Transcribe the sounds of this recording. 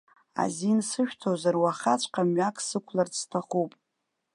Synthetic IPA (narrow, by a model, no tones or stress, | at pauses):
a̰zinsɨʃᶣtʰozarwaχat͡ʃʷʰʼqʼamɥakʼsɨkʷʰlartʰaχupʼ